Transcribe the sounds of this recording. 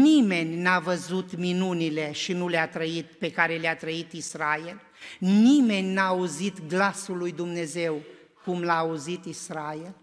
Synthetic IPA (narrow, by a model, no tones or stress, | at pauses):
nime̞nʲnavəzut̪minunile̞ʃinuleat̪ɾəit̪̚pe̞kaɾe̞leat̪ɾəit̪isɾael | nime̞nʲnaːuzit̪ɡlasulːujd̪umne̞ze̞w | kumlaːuzit̪isɾael